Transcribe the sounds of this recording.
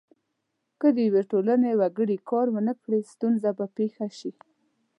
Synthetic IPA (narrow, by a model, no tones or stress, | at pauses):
kəd̪əjaweʈolanewaɡəɽikɑɾwənəkɽest̪unzabapexaʃi